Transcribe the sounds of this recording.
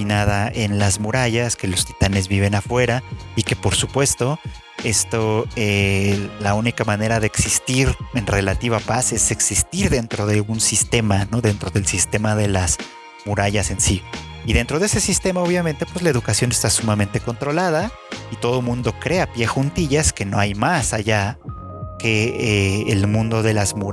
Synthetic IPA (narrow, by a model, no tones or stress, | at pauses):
finaðaʔe̞nlazmuɾaʝaske̞lo̞st̪i̥t̪ane̞zβiβ̞e̞nafwe̞ɾaike̞po̞ɾsupwe̞st̪o̞ | e̞st̪o̞elaunikamãne̞ɾaðe̞ːksist̪iɾe̞nre̞lat̪iβ̞apase̞se̞ksist̪iɾðe̞nt̪ɾo̞ðe̞unsist̪e̞mano̞ðe̞nt̪ɾo̞ðe̞lsist̪e̞mað̞e̞las | muɾaʝase̞nsi | iðe̞nt̪ɾo̞ð̞ese̞sist̪e̞mao̞βjamẽnt̪epwezlae̞ðukasjo̞ne̞st̪asumamẽ̞nt̪e̞ko̞nt̪ɾo̞laða | it̪o̞ð̞o̞mũnd̪o̞kɾe̞apje̞xunt̪iʝaske̞no̞̰ajmasaʝa | ke̞eːlmũnd̪oðe̞lazmu